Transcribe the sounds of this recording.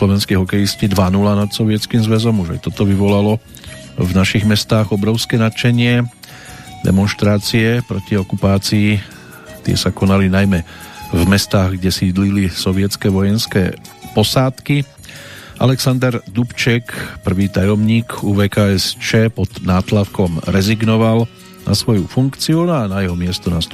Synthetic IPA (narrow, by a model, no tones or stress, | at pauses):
slɔʋɛnskɛjɦɔkɛjiscid̪ʋanulanat̪sɔʋɪɛt͡skiːmzʋɛzɔmuʒa̰jt̪ɔt̪ɔʋiʋɔlalɔ | vnaʃiɣmɛst̪aːɣɔbɾɔʊskɛːnat͡ʃɛɲɪɛ | d̪ɛ̰mɔnʃt̪ɾaːt͡siɛpɾɔciɔkupaːt͡siː | t̪ɪɛ̰sakɔnalinajmɛvmɛst̪aːɣɡɟɛsiːd̪lilisɔʋɪɛt͡skɛʋɔjɛnskɛ̰ːpɔsaːt̪ki | ʔa̰lɛksand̪ɛɾd̪upt͡ʃɛkpr̩ʋiːt̪ajɔmɲiːkuʋɛːkaːɛst͡ʃɛːpɔd̪naːt̪lafkɔmɾɛziɡnɔʋal | na̰sʋɔjufuŋkt͡siuanajɛɦɔmɪɛst̪ɔnast̪